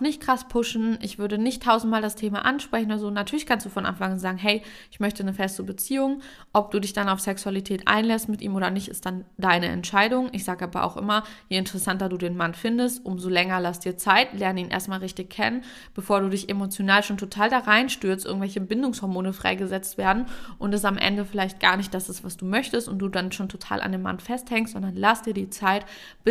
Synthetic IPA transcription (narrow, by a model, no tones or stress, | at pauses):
ʊxnɪçt̚kʁ̥aspʰʊʃn̩ʔɪçv̥ʏɐɾənɪçtʰaʊzn̩t̚maːldastʰeːma̰ʔanʃpʁ̥ɛçn̩oːɾɐzoːnatʰyɐlɪçkʰanstd̥uːfɔnʔa̰nfaŋanzaːɡŋ̩ɦɛɪʔɪçmœçtənəfɛstəbət͡siːʊŋ | ʔɔp̚d̥uːdɪçd̥anaʊfsɛksualitʰɛːtʔa̰ɪnlɛstmɪtʔḭːmʔoːɾɐnɪçtɪ̰std̥andaɪnəʔɛ̰ntʃaɪdʊŋʔɪçz̥aːɡəʔaːbɐ̰ʔa̰ʊxʔɪ̰mɐjeɪntəʁɛsantɐduːdeːnmanfɪndəstʔʊmzolɛŋɐlasd̥iːɐt͡saɪtlɛɐnəiːnʔḛːɐstmaːlʁɪçtɪkʰɛ̰nən | b̥əfoːɐɾuːdɪçemot͡sjonaːlʃoːntʰotʰaːldaʁaɪnʃtʏɐstʔɪ̰ɐɡŋ̩tvɛlçəbɪndʊŋshɔɐmoːnəfʁ̥a̰ɪɡəzɛt͡stv̥eːɐdn̩ʔʊntɛsamʔɛ̰ndəfɪlaɪçt̚ɡ̥a̰ːɐnɪçt̚d̥asɪstv̥asd̥uːmœçtəstʊnt̚d̥uːdanʃoːntʰotʰa̰ːlʔa̰ndeːmːa̰nfɛsthɛŋstz̥ɔndɐnlasd̥iːɐdiːt͡saɪt | b̥ɪ